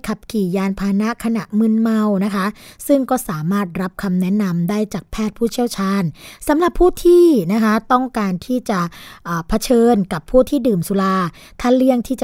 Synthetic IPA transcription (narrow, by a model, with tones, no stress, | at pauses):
kʰa˨˩p̚kiː˨˩jaː˧npʰaː˧na˦˥kʰa˧na˨˩ʔmɯ˧nma˧wna˦˥kʰa˦˥sɯ˥˩ŋkɔː˥˩saː˩˦maː˥˩t̪̚ɾa˦˥p̚kʰa˧mnɛ˦˥ʔna˧mdaː˥˩jt͡ɕaː˨˩k̚pʰɛː˥˩t̪̚pʰuː˥˩t͡ɕʰi˥əwt͡ɕʰaː˧nsa˩˦mla˨˩pʰːuː˥˩t̪ʰiː˥˩na˦˥kʰa˦˥t̪ɔ˥˩ŋkaː˧nt̪ʰiː˥˩t͡ɕa˨˩ʔʔəː˨˩pʰa˦˥t͡ɕʰɤː˧nka˨˩pʰːuː˥˩t̪ʰiː˥˩dɯː˨˩msu˧˦laː˧ | t̪ʰa˥˩li˥˩əŋt̪ʰiː˥˩t͡ɕa˨